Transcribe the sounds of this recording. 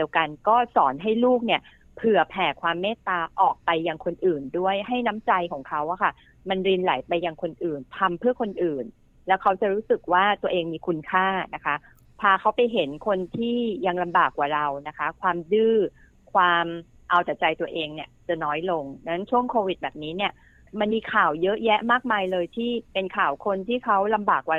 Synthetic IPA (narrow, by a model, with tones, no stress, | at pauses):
di˧əwka˧nkɔː˥˩sɔː˩˦nɦa˥˩jluː˥˩k̚ni˥˩ə | pʰɯ˨˩ɐəpʰɛː˨˩kʰwaː˧mːɛː˥˩t̪aː˧ʔɔː˨˩k̚pa˧jːa˧ŋkʰo˧nʔɯː˨˩ndu˥˩əjha˥˩jna˦˥mt͡ɕa˧jkʰɔː˩˦ŋkʰa˦˥wʔa˥˩kʰa˥˩ | ma˧nɾiː˧nla̰˩˦jpa˧jːa˧ŋkʰo˧nʔɯː˨˩nt̪ʰa˧mpʰɯ˥˩ɐkʰo˧nʔɯː˨˩n | lɛː˦˥wkʰa˦˥wt͡ɕa˨˩ɾuː˦˥sɯ˨˩k̚waː˥˩t̪u˧ɐʔeː˧ŋmiː˧kʰu˧nkʰaː˥˩na˦˥kʰa˦˥ | pʰaː˧kʰa˦˥wpa˧jɦe˩˦nkʰo˧nt̪ʰiː˥˩ja˧ŋla˧mbaː˨˩kwaː˨˩ɾa˧wna˦˥kʰa˦˥kʰwaː˧mdɯː˥˩ | kʰwaː˧m | ʔa˧wt̪a˨˩t͡ɕa˧jt̪u˧əʔeː˧ŋni˥˩ɐt͡ɕa˨˩nɔː˦˥jlo˧ŋna˦˥nt͡ɕʰu˥˩əŋkʰoː˧wi˨˩t̪̚bɛː˨˩p̚niː˦˥ni˥˩ɐ | ma˧nmiː˧kʰaː˨˩wjɤ˦˥ʔjɛ˦˥ʔmaː˥˩k̚maː˧jlɤː˧jt̪ʰiː˥˩pe˧nkʰaː˨˩wkʰo˧nt̪ʰiː˥˩kʰa˦˥wla˧mbaː˨˩kːwaː˨˩